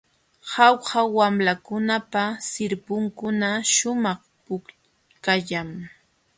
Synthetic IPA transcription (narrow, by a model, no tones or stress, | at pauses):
hɑwhawamlakʊnapasɪɾpʊŋkʊnaʃʊmɑχ | pʊk | kaʎam